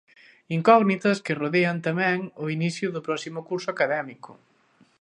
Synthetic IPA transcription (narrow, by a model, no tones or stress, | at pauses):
iŋkɔɣnit̪ɐskɪroðeɐnt̪amɛ̃ŋʊiniθjʊðʊpɾɔsimʊkuɾsʊakaðɛmikʊ̥̰